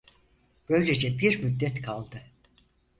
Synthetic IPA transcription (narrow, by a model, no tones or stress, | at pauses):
b̥ø̞jlʲed͡ʒɛbiɾmyd̪ːɛt̪kʰalˠd̪ɯ